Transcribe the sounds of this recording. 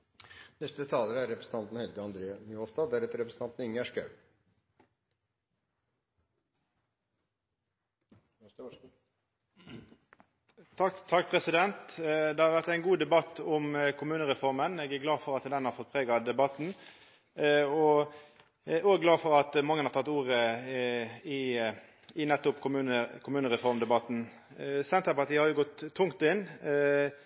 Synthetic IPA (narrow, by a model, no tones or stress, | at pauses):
nɛst̪ət̪ʰɑːləɾæɾɛpɾəsn̩t̪ɑnt̪n̩hɛlɡ̪əɑnd̪ɾeːmjoːst̪ɑːd̪æɾɛt̪əɾɛpɾsn̩ɑnt̪n̩ɪŋːæʂkɑ̰ʉ | t̪t̪ʰɑk̚ːpʰʁɛsɪd̪ɛnt̪d̪ɛhɑʁʋæʁt̪æɪnɡuːd̪ɛbɑt̪ːʊmkʰʊmʉːnəʁɛfɔɾməneːɡæɡlɑːfɔɾɑt̪d̪ɛnhɑɾfɔt̪̚pʰʁeːɡɑd̪ɛbɑt̪n̩ | ɔ | oːɡlɑːfɔɾɑt̪mɑŋːənhɑʁt̪ʰɑt̪ːuːʁə | ɪ | ɪnɛt̪ːʊpkʰʊmʉːnəkʰʊmʉːnəʁɛfɔɾmd̪ɛbɑt̪n̩ | sɛnt̪əɾpɑɾt̪ʰiːhɑɾjʊɡɔt̪ʰːʊŋt̪ɪn